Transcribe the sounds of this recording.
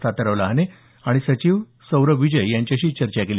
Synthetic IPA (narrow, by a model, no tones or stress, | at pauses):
t̪ʰat̪əɾəʋlaɦne | aɽ̃isət͡ɕiːʋ | səwɾəʋid͡ʑəjjãɲt͡ɕjaɕiːt͡ɕəɾt͡ɕakeli